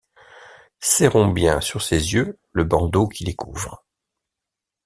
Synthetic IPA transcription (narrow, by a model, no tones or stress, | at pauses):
sɛʁɔ̃bjɛ̃syʁsezjø | ləbɑ̃d̪okʰʲilekʰuːvʁ